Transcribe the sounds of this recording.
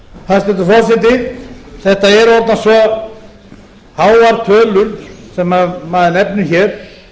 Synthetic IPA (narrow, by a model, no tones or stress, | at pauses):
θaðst̪ɛt̪ʏfɔsɪt̪̬ɪθɛht̪aɛɾɔɾt̪nasvɔ | haːwvaɾt̪ʰœːlʏlsɛmːamaðɪnɛpnʏçɛːɾ̥